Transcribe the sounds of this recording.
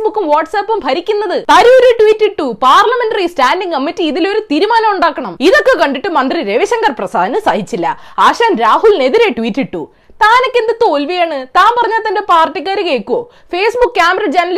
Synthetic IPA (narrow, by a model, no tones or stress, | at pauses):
bukːumʋaːʈsɐːpːumbʱɐɾikʲːunːɐðɨt̪ɐɾuːɾeʈʋiːtːiʈːupaːrlɐme̞nʈɐristaːnɖiŋkɐmːitːiːðilo̞ɾut̪iɾumaːnɐmuɳɖaːkːɐɳɐmiðo̞kːekɐɳɖiʈːɨmɐnd̪riɾe̞ʋiɕɐŋɡɐrprɐsa̰ːd̪ɐnɨsaːɦit͡ɕːilːɐ̰ | aːʂaːnɾaːɦulne̞ðiɾe̞ʈʋiːtːiʈːu | t̪aːno̞kːe̞nd̪ɨt̪o̞ːlʋijaːɳɨt̪aːmpɐrɐɲːaːlt̪ːɐnde̞paːrʈːikːaːɾɨke̞ːkːuoː | fe̞ːsbukːkʲaːmɐɾɐd͡ʑɐnɐl